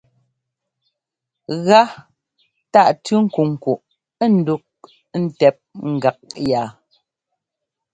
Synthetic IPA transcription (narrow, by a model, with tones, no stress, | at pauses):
ɣa˦ | ta˦˨ʔtʉ˦ŋ̩˦ku˨ŋ̩˨ku˨ʔ | ɛ˦˨n̩˨du˦k̚ | n̩˨tɛ˨p̚ŋ̩˨ɡa˨k̚ja˨